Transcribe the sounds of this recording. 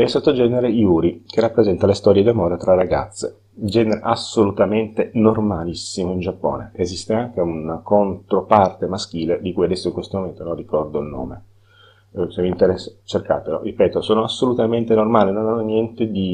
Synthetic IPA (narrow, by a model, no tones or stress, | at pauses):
ɛsːot̪ːod͡ʒɛneɾejuːɾik̟erapːɾezɛnt̪alest̪ɔɾjed̪amoːɾet̪ɾarːaɡa̰t̪sːḛ | d͡ʒɛːneɾeʔasolut̪ament̪enormalisːimoind͡ʒapːo̰ːnḛːzist̪eaŋk̟eunakont̪ɾopart̪emask̟iːled̪ikujad̪ɛsːoiŋkwest̪omoment̪onõnrikɔrd̪oilno̰ːme | semːint̪eɾɛsːat͡ʃerka̰ːt̪elo̰ripɛːt̪osoːnoasːolut̪ament̪enormaːlinonanːonjɛnt̪ed̪i